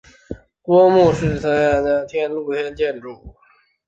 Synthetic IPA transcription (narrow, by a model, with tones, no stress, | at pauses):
kwɔ˥mu˥˧ʂɻ̩˥˩t̪ʰɤ˧˥ŋa˥˩n˥t̪ʰjɛ˥nlu˥˩t̪ʰjɛ˥nt͡ɕjɛ˥˧nʈ͡ʂu˥˩